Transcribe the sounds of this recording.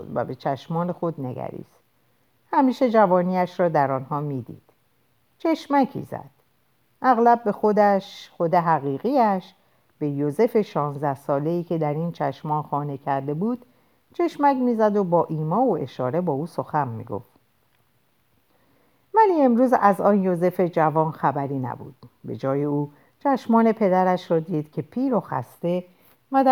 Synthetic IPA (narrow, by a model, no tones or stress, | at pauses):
od̪væ̰be̞t͡ʃʰæʃmɒːne̞xo̞d̪ne̞̰ɡæ̰ɾḭːs | hæmiːʃe̞d͡ʒævɒːniːæʃɾɒːd̪æɾɒnhɒːmiːd̪ḭːd̪̥ | t͡ʃʰe̞ʃmæcʰḭːzæ̰d̪̥ | ʔæɣlæbːe̞xo̞d̪æʃxo̞d̪e̞ɦæɣiːɣiæʃ | b̥e̞joze̞fe̞ʃɒːnzd̪æhsɒːle̞iːcʰe̞d̪æɾint͡ʃʰæʃmɒːnxɒːne̞cʰæɾd̪e̞buːd̪̥ | t͡ʃʰe̞ʃmæcmiːzæd̪o̞bɒːʔiːmɒːoe̞ʃɒ̰ːɾe̞bɒːuːso̞xænmḭɡo̰ft̪ | mæliːe̞mɾuːzæzɒːnjoze̞fe̞d͡ʒævɒːnxæbæɾiːnæ̰bṵːd̪̥be̞̰d͡ʒɒːje̞uː | t͡ʃʰæʃmɒːne̞pʰe̞d̪æɾæʃɾɒːd̪iːd̪̥cʰe̞pʰiːɾoxæ̰st̪e̞ | væd̪